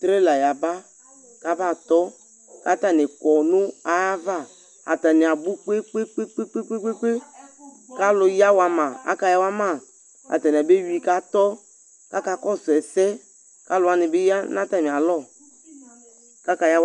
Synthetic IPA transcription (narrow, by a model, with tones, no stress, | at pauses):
t̪ɾe˦la˨ja˨ba˦ | ka˦ba˦˨t̪ɔ˦ | ka˦ta˦˨nɪ˨kɔ˨nʊ˦a˨a˦va˦˨ | a̰˨ta˨nɪ˨a˨bu˦k͡pe˦k͡pe˦k͡pe˦k͡pe˦k͡pe˦k͡pe˦k͡pe˦k͡pe˦ | ka˦lʊ˨ja˦wa˨ma˨a̰˦ka˧ja˦wa˦ma˦˨ | a̰˨ta˨n˨a˨be˦wi˨ka˦tɔ˦ | ka˦ka˧kɔ˦sʊ˨ɛ˨sɛ˦ | ka˦lʊ˨˦a˦nɪ˨bɪ˦ja˦nã˦ta˦˨mɪ˨a˨lɔ˦˨ | ka˦ka˨ja˦